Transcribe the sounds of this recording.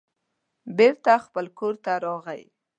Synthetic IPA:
beɾt̪axpəlkoɾt̪aɾɑɣa̰j

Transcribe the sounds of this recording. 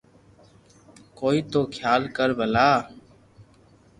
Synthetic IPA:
koːiːt̪oːkʰjaːlkəɾbʱəlaː

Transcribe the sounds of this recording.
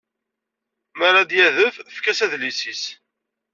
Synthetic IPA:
maɾad̪jæðəffkæsæðlisis

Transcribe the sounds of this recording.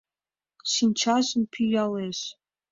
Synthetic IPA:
ɕinʲt͡ɕɑʑə̆npʰyjɑleʃ

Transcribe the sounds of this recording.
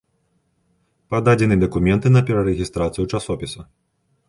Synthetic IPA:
pad̪ad͡zʲɛnɨd̪ɐkumʲɛnt̪ɨnɐpʲɛɾɐɾɛɣʲist̪ɾat̪sɨjut͡ʂasɔpʲisɐ

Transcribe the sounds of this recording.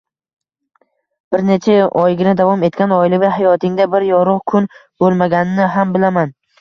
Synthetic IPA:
b̥ɪɾnet͡ʃʰaɒjɡʲɪnɪd̪avɒme̞t̪kʲanɒjɪlɪvʲaɦajɒt̪ʰɪŋd̪abɪɾjɒɾʊʁkʰʊnbolˠmaɡʲanɪnɪɦambɪlaman

